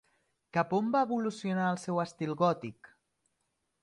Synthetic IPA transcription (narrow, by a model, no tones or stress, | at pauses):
kapombaəβulusjonaəlˠsɛwəst̪ilˠɣɔt̪ik